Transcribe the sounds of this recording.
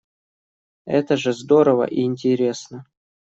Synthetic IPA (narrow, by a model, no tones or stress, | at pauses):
ɛ̰t̪əʐɨzd̪o̞ɾəvə̰ʔiːnʲtʲɪɾʲe̞snə